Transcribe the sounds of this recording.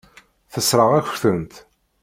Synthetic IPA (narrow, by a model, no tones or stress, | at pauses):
θəsɾˤəʁæç̥θənt̪